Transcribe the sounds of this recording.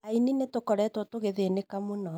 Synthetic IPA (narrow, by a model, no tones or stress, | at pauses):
aininetokɔɾɛtotoɣeðenekamonɔ